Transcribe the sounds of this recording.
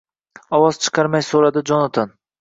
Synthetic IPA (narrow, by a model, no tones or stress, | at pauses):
ɒwɒz̥t͡ʃʰɨ̥qʰɑɾmajsoɾad̪ɪd͡ʒɒnat̪ʰan